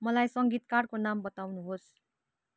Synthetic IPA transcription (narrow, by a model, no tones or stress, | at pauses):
mʌlajsʌŋɡit̪karkonambʌt̪awnuɦos